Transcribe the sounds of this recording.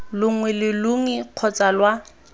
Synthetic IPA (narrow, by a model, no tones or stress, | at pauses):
lʊŋ̩wɛlɪlʊŋiq͡χʰɔt͡salwa